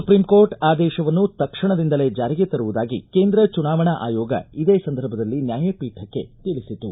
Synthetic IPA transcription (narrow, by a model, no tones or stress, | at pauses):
supɾimkoːɾʈaːd̪ɛːʃɐʋɐnːut̪ɐkʂɐɳɐd̪ind̪ɐle̞d͡ʒaːɾiɡet̪ɐɾuʋud̪aːɡḭkeːnd̪ɾɐt͡ʃunaːʋɐɳɐʔaːjɔːɡɐ̰id̪eːsɐnd̪ʱɐɾbʱɐd̪ɐlːinjaːjɐpiːʈʰɐkːe̞̰t̪iɭisit̪u